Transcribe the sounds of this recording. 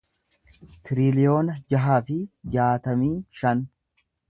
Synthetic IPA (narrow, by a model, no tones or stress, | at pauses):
t̪ɪɾɪlɪjo̞ːnɐd͡ʒɐɦaːfɪd͡ʒaːt̪ɐmiːʃɐn